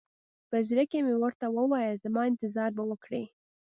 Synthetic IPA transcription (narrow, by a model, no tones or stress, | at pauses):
pəzɾakemewəɾt̪awəwɑjəzəmɑɪnt̪ɪzɑɾbawəkɽḛ